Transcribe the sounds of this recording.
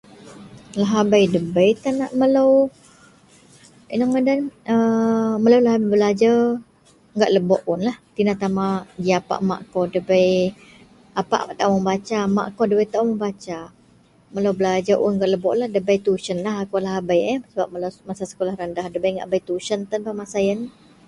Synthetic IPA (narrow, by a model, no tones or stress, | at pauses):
laɦabajdəbəjt̪anaʔmələw | inəŋədanəməlawlaɦbəlad͡ʒa | ŋɡaʔləbɔʔʊnlaht̪inat̪amad͡ʒiapa̰ʔma̰ʔkowdəbəj | apa̰ʔma̰ʔt̪aʔuməmbat͡ʃama̰ʔkodəbəjt̪aʔuməbat͡ʃa | məlawbəlad͡ʒaʔʊ̰nŋɡaʔləbɔʔlahdəbəjt̪uʃənlaɦakolaɦabəjəsəbap̚məlawmasasə̥kolahɾəndahdəbəjŋɡa̰ʔbəjt̪uʃənt̪ənbamasajən